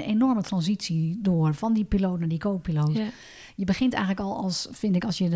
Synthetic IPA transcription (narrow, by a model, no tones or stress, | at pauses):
nenɔrmətrɑnzitsidoːərfɔndipiloːtnaːdikʰoːk̚piloːt | jəbəxɪntɛ̰jɣŋləkɔlˠɔ̰lˠsfɪndɪkɔlˠsjə